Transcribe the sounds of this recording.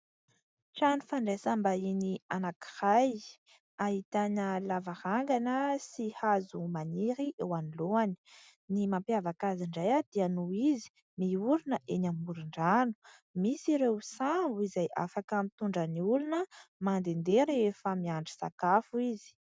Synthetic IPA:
ʈ͡ʂanufaɳɖ͡ʐesambainianaki̥haj | aɦit̪anəlavahaŋɡanəsihazumaniɾiʔewaniloani̥ | nimampiavakaziɳɖ͡ʐajad̪̥ianuizi̥ | miuɾinəʔenamuɾiɳɖ͡ʐanu̥ | misiɾewsauizajʔa̰fakamit̪uɳɖ͡ʐəniulunəmand̪end̪eɾefəmiaɳɖ͡ʐi̥sa̰kafuizi̥

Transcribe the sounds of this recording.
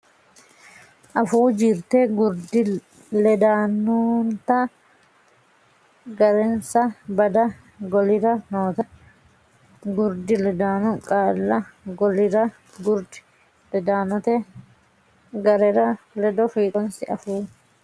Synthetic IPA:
ʔɐfuːd͡ʒɪɾt̪ɛɡʊɾd̪ɪ | lɛd̪aːnːʊnt̪ɐ | ɡɐɾɛnsɐbɐd̪ɐ | ɡɔlɪɾɐnoːt̪ɐ | ɡʊɾd̪ɪlɛd̪aːnʊkʼaːlːɐɡɔlɪɾɐ | ɡʊɾd̪ɪ̥ | lɛd̪aːnɔt̪ɛ | ɡɐɾɛɾɐ | lɛd̪ɔfiːt̪ʼɔnsɪʔɐfuː

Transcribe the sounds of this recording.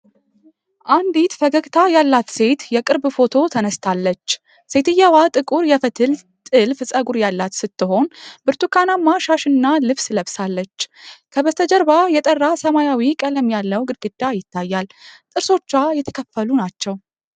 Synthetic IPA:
ʔand̪it̪fəɡəɡt̪ʰajalːat̪se̞t̪jɛkʼɨɾbfo̞t̪ʰo̞t̪ʰənəst̪ʰalːət͡ʃː | se̞t̪ʰɨjːawat̪ʼɨkʼuɾjɛfət̪ʰɨl | t̪ʼɨlfɨsʼəɡuɾjalːat̪sɨt̪ːɨɦo̞nbɨɾt̪ʰukʰanamːaʃaʃɨnːalɨβsləβsalːət͡ʃːkʰəbət̪ʰəd͡ʒəɾbajɛt̪ʼərːasəmajawikʼələmjalːəwɡɨd̪ɡɨd̪ːajɪt̪ʰːajːalt̪ʼɨɾso̞t͡ʃːajɛt̪ʰə̥kʰəfːəlunat͡ʃːɛw

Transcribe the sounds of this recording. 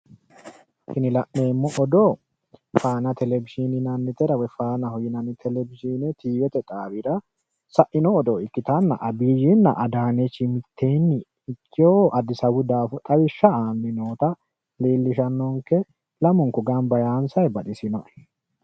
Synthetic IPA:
ʃɪnɪlɐʔne̞ːmːɔʔɔd̪oː | faːnɐt̪ɛlɛbɪʃinɪnɐnːɪt̪ɛɾɐwɛfaːnɐhɔjɪnɐnɪt̪ʰɛlɛbɪʃiːnɛt̪iːwɛt̪ɛt̪ʼaːbɪɾɐ | sɐʔɪnɔːd̪oɪkːɪt̪ɐnːɐ̰ʔɐbiːjɪnːɐ̰ʔɐd̪aːnet͡ʃːɪmɪt̪ʰːeːnːɪː | t͡ʃʼːɪoːʔɐd̪ɪsɐwʊd̪aːfʊt̪ʼɐwɪʃːɐaːnːɪnoːt̪ɐ | leːlːɪʃɐnːɔŋkɛ | lɐmʊŋkʊɡɐnbɐjaːnsɐjbɐɗɪsɪnɔʔɛ̥

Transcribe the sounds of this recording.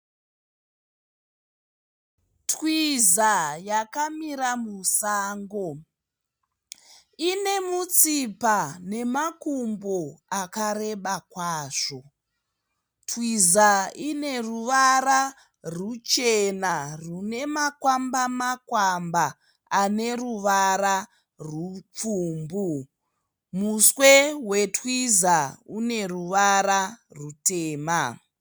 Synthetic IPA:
twizajakamiɾamusaːŋɡo̞ | ine̞mut͡sipane̞makumboakare̞ɓakwaːʐo̞ | twizaine̞ruʋara | rut͡ʃenarune̞makwambamakwambaː | ne̞ruʋaɾa | rwup͡fuːmbu | muswe̞we̞twizaune̞ruʋararute̞ːma

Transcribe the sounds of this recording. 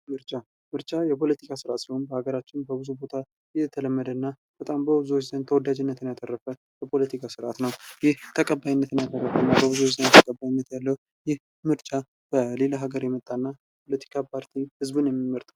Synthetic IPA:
mɨɾt͡ʃʼa | mɨɾt͡ʃʼajɛpʰo̞lət̪ʰikʰasɨɾʔat̪sihonbəhaɡəɾat͡ʃːɪnbəbɨzubo̞t̪ʰa | jɛt̪ʰələmːəd̪ənːa | b̥ət̪ʼambəbɨzuot͡ʃːz̥ənt̪ʰəwɔd̪ad͡ʒɪnːət̪ʰɨnjat̪ʰʼərːəfə | bɛpʰo̞lət̪ʰikʰasɨɾʔat̪nəwjɪht̪ʰəkʼəbːajɪnːət̪ɨnjat̪ʰʼərːəfənːabəbɨzuwot͡ʃzənt̪ʰəkʼəbːajinːət̪jalːəw | jɪh | mɨɾt͡ʃʼa | b̥əlelaɦaɡəɾjɛmət̪ʼːanːa | pʰolət̪ʰi̥kʰapʰaɾt̪ʰihɨzbunjɛmːiməɾt̪ʼaw

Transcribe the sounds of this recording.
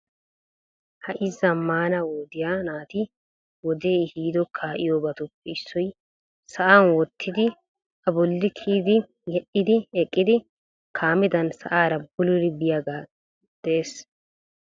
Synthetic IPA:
hɐʔɪzːɐmːaːnɐwoːd̪ɪjanaːt̪ɪ | wɔd̪e̞ːɪhiːd̪ɔkʰːaːʔɪjoːbɐt̪ʊpːɛɪsːɔj | sɐʔanwɔt̪ʰːɪd̪ɪ | ɐbɔlːɪkʰiːd̪ɪ | jɛʔːɪd̪ɪɛkʼːɪd̪ɪ | kʰaːmɪd̪ɐnsɐʔaːɾɐbʊlʊɾɪbɪjaɡaː | d̪̥ɛeːs

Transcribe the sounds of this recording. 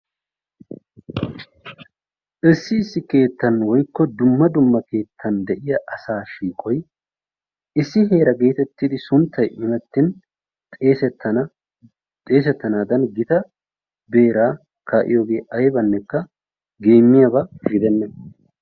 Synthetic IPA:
ʔɪsːɪɪsːɪke̞ːt̪ːɐnwɔjkːɔd̪ʊmːɐd̪ʊmːɐke̞ːt̪ʰːɐnd̪ɛʔɪjɐʔɐsaːʃiːkʼɔj | ʔɪsːɪɦe̞ːɾɐɡe̞ːt̪ɛt̪ːid̪ɪsʊnt̪ʰːɐjʔɪmɛt̪ːɪn | t̪ʼeːsɛt̪ːɐ | t̪ʼe̞ːs̬ɛt̪ːɐnaːd̪ɐnɡɪt̪ɐ | be̞ːɾaː | kaːʔɪ̰jo̞ːɡe̞ːʔɐjbɐnːɛkːɐ | ɡe̞ːmːɪjabɐfɪɡɪd̪ɛnːɛ

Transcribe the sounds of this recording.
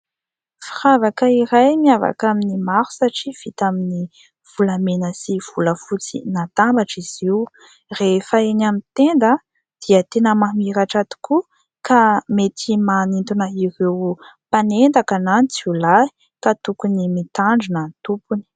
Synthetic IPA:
firavakəiɾajmiava̰kaminimaɾu̥saʈ͡ʂiv̥it̪amini | v̥ulamenəsiv̥uləfut͡sḭnat̪ambaʈ͡ʂiz̥iw | refəenamit̪end̪ə | d̪̥iət̪enəmamiɾaʈ͡ʂat̪u̥ku | kamet̪ʰimanint̪unəiɾewpanend̪akananit͡sulai̥ | kat̪ukunimit̪aɳɖ͡ʐiunənt̪upuni̥

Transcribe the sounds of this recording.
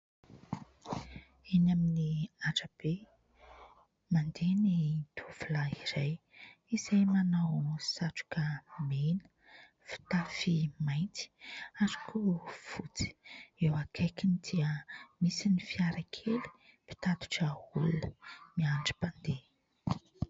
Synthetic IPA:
inaminiaʈ͡ʂəb̥e | mand̪enid̪̥uv̥ulaiɾaj | izajmanawsaʈ͡ʂu̥kəmenə̥ | fi̥t̪afimajnt̪i̥aɾu̥kuv̥ut͡si̥ewakʰakinid̪iəmisinifiaɾakʰeli̥ | pi̥t̪at̪u̥ʈ͡ʂəulunəmiaɳɖ͡ʐi̥pand̪e

